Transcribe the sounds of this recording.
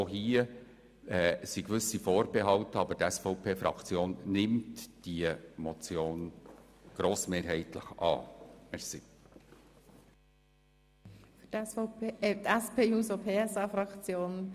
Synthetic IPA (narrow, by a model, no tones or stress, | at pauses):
oɦiə | ɛːsikʋʏsifoːɾbɛɦɑwtəɑbətɛsfɔʊpʰeːfɾɑ̰kt͡sjoːnnɪmtd̥iəmɔt͡sjoːn | ɡ̥ɾoːsmeːɾɦɛɪtlə̰χɑ̰ːmɛɾsi | fytɛsfɔʊpʰeːɛt̪ɛspeːuːsopʰeːɛsɑːfɾɑkt͡sjoːn